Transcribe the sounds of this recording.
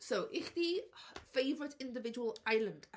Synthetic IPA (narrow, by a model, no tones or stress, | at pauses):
soʔɪχdifejvɹɪtʰɪ̃ndɪvɪd͡ʒəwəlˠajlˠə̃nd̥